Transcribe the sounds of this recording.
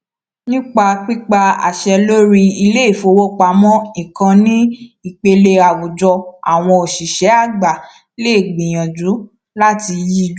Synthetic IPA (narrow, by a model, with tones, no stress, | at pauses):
nĩ˦k͡pa˧k͡pi˦k͡pa˧a̰˨ʃɛ˧lo˦ɾi˧i˧le˦i˦˨fo˧wo˦k͡pa˧˦mɔ̃˦ĩ˨kã˧nĩ˦i˦˨k͡pe˧le˧a˨wu˨d͡ʒɔ˧a̰˨w̃ɔ̃˧o˨ʃi˨ʃɛ˨˦a˦˨ɡ͡ba˨ | le˦i˦˨ɡ͡bĩ˨j̃ã˨d͡ʒu˨˦ | la˦ti˧ji˦d͡ʒ